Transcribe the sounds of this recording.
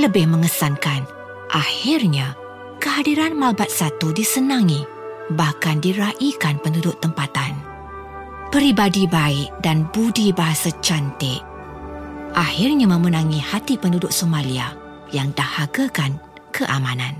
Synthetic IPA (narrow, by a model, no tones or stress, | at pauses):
ləbɪhmə̃ŋəsankan | ʔahɪrɲa | kəhadiɾanmalbat̪̚sat̪udisənãŋi | bahkandiɾaʔikanpəndudʊʔt̪ːəmpat̪an | pəɾibadibaɪʔ̚danbudibaɦasat͡ʃant̪ɪʔ | ʔahirɲamə̃mənãŋihat̪ipəndudʊʔ̚somãlia | jaŋdahaɡakan | kʰəʔamãnãn